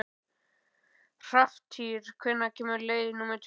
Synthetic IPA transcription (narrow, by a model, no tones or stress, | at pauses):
r̥aft̪ʰiːɾ̥kʰvɛnːacʰɛːmʏɾleːjðɪnuːmɛɾt̪ʰ